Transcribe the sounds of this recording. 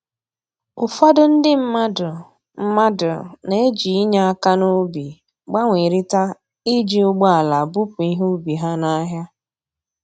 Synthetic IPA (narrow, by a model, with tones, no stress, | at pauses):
ʊ˨fa˦dʊ˦n̩˦dɪ˦m̩˦ma˦dʊ˨ | m̩˦ma˦dʊ̰˨ne˨˦e˦d͡ʒi˨i˦ɲa˦a˦ka˦no˦bi˨ | ɡ͡ba˦ŋʷe˨ɾi˦ta˦ | i˦d͡ʒi˦o˦ɡ͡bɔ˦a˨la˨bu˦pʊ˨i˦ɦo˦bi˨ɦa˦na˦ɦja˦